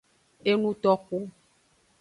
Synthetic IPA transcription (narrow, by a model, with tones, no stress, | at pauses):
e˦nũ˦t̪ɔ˦ku˦